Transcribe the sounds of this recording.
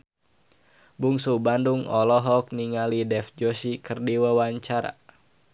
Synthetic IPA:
buŋsubanduŋɔlɔɦɔk̚niŋalidɛfd͡ʒɔsikərdiwawaɲt͡ʃaɾa̰

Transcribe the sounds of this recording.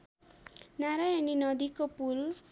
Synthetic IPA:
naɾajaninʌd̪ikopul

